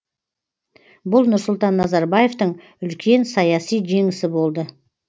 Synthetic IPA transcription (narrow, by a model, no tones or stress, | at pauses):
bʊlˠnʊɾsʊlˠt̪ɑnːɑzɑɾbajeft̪əɴ | ʏlkʲʰe̞nsɑjɑsijʒe̞ŋɪsɪbo̞lˠd̪ə